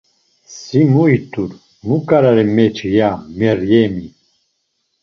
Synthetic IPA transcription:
simuit̪ʼuɾ | mukʼaɾaɾɛmɛt͡ʃʰijamɛɾjɛmi

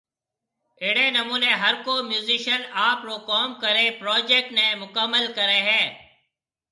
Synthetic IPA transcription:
ɪːɽẽːnəmuːneːɦəɾkoːmjuːziːʃənaːpɾoːkɔːmkəɾeːpɾɔːd͡ʒeːk̚ʈnẽːmʊkəmːəlkəɾẽːɦɛ̃ː

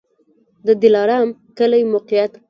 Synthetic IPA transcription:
d̪əd̪ɪlɑɾɑmkəlajmoqijat̪

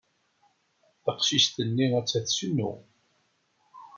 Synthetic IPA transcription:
θəqʃist̪ənːiæt͡sːæθsunːṵ

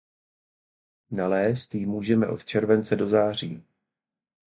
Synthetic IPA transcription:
nalɛːst̪jɪmuːʒɛmɛ̰ʔo̞̰t̪t͡ʃɛɾvɛnt͡sɛdo̞zaːr̝ḭː

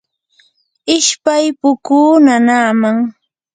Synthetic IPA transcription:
ɪʃpajpʊkuːnanaːmaŋ

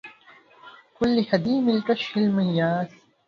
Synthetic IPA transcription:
kʊlːihɐd̪iːmɪlk̪ɐʃɪlmɐjjaːs

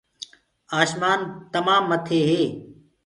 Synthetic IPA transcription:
aːʃmaːnt̪əmaːmːət̪ʰeːɦeː

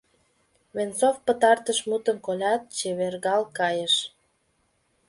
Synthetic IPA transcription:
βent͡sofpət̪ɑrt̪əʃmut̪ə̆mkolʲɑt̪̚t͡ɕeβerɣɑlkɑjəʃ

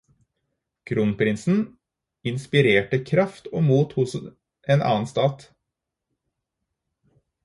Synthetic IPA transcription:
kʰɾuːnpʰɾɪnsn̩ | ɪnspɪɾeːʈəkʰɾɑft̪oːmuːt̪hʊs | ʔeːnʔɑ̰ːənst̪ɑːt̪

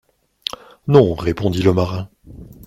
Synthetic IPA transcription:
nɔ̃ʁepɔ̃d̪iləmaʁɛ̃

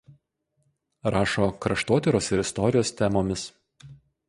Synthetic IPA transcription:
ɾɑːʃoːkɾɐʃt̪oːt̪ʲɛɾoːsɪɾɪst̪ɔɾʲɪjoːst̪ʲɛmoːmʲɪs

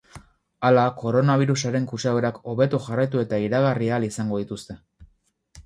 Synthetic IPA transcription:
alako̞ɾo̞naβ̞iɾusaɾe̞ŋkut͡ʃaeɾako̞βe̞t̪uxarajt̪ue̞t̪aiɾaɣarialisaŋɡo̞ðit̪ust̪e̞

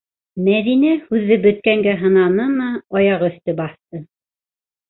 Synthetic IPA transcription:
mæðinæhʉðːɘbɵ̆t̪̚kæŋɡæɦɤ̆nɑnɤnɑɑjɑʁɵ̆θt̪ɘbɑθt̪ɤ

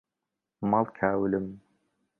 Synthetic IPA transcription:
malkʰaːwlɨm

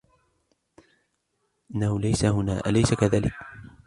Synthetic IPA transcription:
ʔɪnːahʊlajsahʊnaːʔa̰lajsakaðaːlɪk

